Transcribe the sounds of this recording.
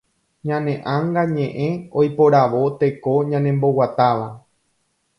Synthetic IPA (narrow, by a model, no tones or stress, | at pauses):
ɲãnẽ̞ʔãŋɡaɲẽʔẽ̞ojpoɾaʋo̞t̪e̞ko̞ɲãnẽ̞mbo̞wat̪aʋa